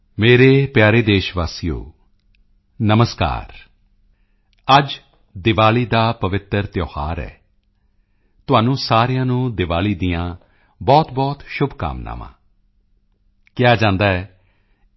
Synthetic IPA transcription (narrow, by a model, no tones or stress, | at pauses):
meːɾeːpjaːɾeːd̪eːʃʋaːsijo̰ː | nəməska̰ːɾ | əd͡ʒ | d̪ɪʋaːliːd̪aːpəʋɪt̪əɾt̪jɔːhaːɾɛ̰ː | t̪ʊaːnũːsaːɾɪjãːnũːd̪ɪʋaːliːd̪ɪjãː | bɔːt̪bɔːt̪ʃʊbʱka̰ːmna̰ːʋã̰ː | kɪaːd͡ʒãːnd̪aːɛː